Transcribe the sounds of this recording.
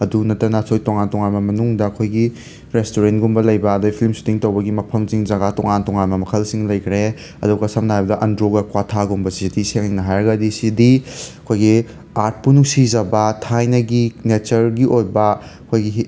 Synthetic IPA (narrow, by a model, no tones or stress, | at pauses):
ɐdunɐtɾɐnɐsojtɔŋantɔŋanmɐmɐnuŋdɐːkʰojɡi | ɾestoɾentɡumbɐlɐjbɐːdojpʰilmsu̥tiŋtɐwbɐɡimɐpʰɐmsiŋzɐɡatɔŋantɔŋanmɐmɐkʰɐlsiŋlɐjkʰɾe | ɐduɡɐsɐmnaɦajbɐdɐʔɐndɾoɡɐkwatʰaɡumbɐsizɐdiseŋiŋnɐɦajɾɐɡɐdisizdiɐkʰojɡi | aɾt̚punusizɐbɐtʰajnɐɡinet͡ʃɐɾɡiʔojbɐɐkʰojɡi